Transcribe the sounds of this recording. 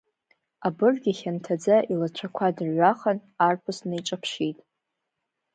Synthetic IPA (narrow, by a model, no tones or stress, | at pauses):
abɨrɡʲiχʲantʰad͡zaʔilat͡ʃʷʰakʷʰadʕʷaχanarpʰɨsnajʈ͡ʂʼapʰʃitʼ